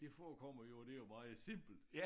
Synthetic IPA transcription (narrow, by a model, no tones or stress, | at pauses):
d̥e̝fɒkʰɒm̰ɐjo̝d̥e̝jomɑ̈ːð̩ˠsem̰b̥l̩d̥